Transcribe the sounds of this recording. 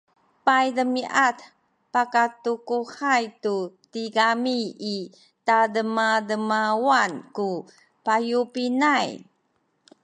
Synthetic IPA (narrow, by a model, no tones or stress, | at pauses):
pajdəmiʔat | pakatukuhajtutiɡamii | tadəmadəmawanku | pajupinaj